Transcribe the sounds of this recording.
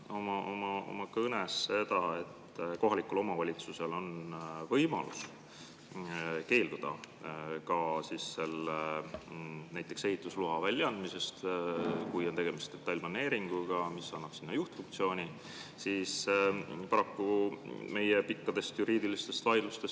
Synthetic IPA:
omɑʔo̞mɑo̞̰mɑkɤnesːe̞d̪̥ɑe̞t̪ː | ko̞ɦɑlikːulo̞mɑvɑlʲit̪suse̞lo̞nvɤjmɑ̰lṵs | ke̞ːld̪ud̪̥ɑ̰ | kɑsisːe̞le | næjt̪ˑːe̞kse̞ɦit̪ːˑusluɦɑvælʲːjɑɑnd̪̚mise̞st̪kujo̞nt̪e̞ɡ̥e̞mist̪d̪̥e̞t̪ːɑjlʲmɑnːe̞ːɾiŋɡ̥uɡ̥ɑmisːɑnːɑb̥sinːɑjuht̪fuŋk̚tsio̞ːnʲi | siːspɑɾɑkːume̞jepikːɑd̪̥e̞st̪juɾiːd̪ilist̪e̞st̪vɑjd̪lust̪e̞s

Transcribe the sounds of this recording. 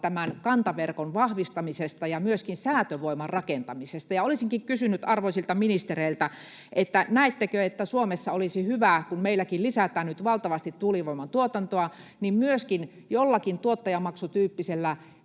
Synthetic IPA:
t̪æmænkɑnt̪ɑʋerkonʋɑhʋist̪ɑmisest̪ɑjɑmyøskinsæːt̪øʋoimɑrrɑkent̪ɑmisest̪ɑjɑolisiŋkikkysynyt̪ɑrʋoisilt̪ɑminist̪ereilt̪æ | ʔet̪ːænæet̪ːekøet̪ːæsuomesːɑolisihyʋækunmeilːˑækillisæt̪æːnnyt̪ʋɑlt̪ɑʋɑst̪it̪t̪uːliʋoimɑnt̪uot̪ɑnt̪oɑ | nimmyøskin | jolːɑkint̪uot̪ːɑjɑmɑksut̪yːpːiselːæ

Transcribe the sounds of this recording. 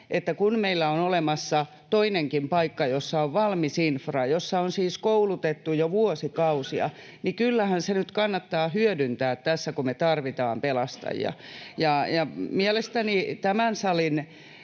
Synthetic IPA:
ʔet̪ːækunmeilːæonolemɑsːɑ | t̪oineŋkimpɑikːɑjosːɑoʋʋɑlmisinfrɑjosːɑonsiːskoulut̪et̪ːujoʋuosikɑusiɑ̰ | nikylːæhænsenyt̪kɑnːɑt̪ːɑːhyødynt̪æːt̪t̪ːæsːækumet̪ɑrʋit̪ɑ̰ːmpelɑst̪ɑ̰jjɑ̰jɑjɑmiæɛlest̪ænit̪æmænsɑlin

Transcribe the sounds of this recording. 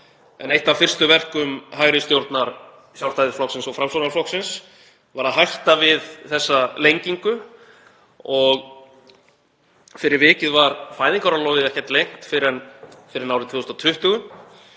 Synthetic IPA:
ɛ̰nejht̪avfɪr̥st̪ʏvɛr̥kʏmɦaːjɾɪst̪jowɾt̪naɾ̥ | sjawlst̪ajðɪɾflɔksɪnsɔɣfɾamsonaɾflɔwksɪns | vaɾaðɦajht̪avɪðθɛsːalejɲciŋkʏ | ɔɣ | fɪɾɪɾvɪːcɪðvaɾfaːjðiŋkawɾalɔːɣɪðɛhcɛɾ̥t̪lejŋ̥t̪fɪɾɛnfɪɾɪɾnaːwɾɪt̪ʰvʏːʏst̪ɔt̪ʰʏht̪ʏɣʏn

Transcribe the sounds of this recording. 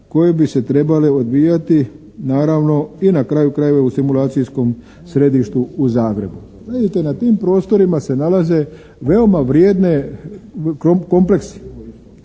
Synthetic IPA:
ko̞je̞bise̞t̪ɾe̞bale̞od̪ʋiːjat̪i | naːɾaʋno̞inakɾaːjukɾajeʋeusimulaːt̪sijsko̞m | sɾe̞d̪iʃt̪uuzaːɡɾe̞bu | id̪it̪enat̪iːmpɾo̞ːst̪o̞ɾimase̞nalaze̞ | ʋe̞o̞maʋɾjeːd̪ne̞ | ko̞mple̞ksi̥

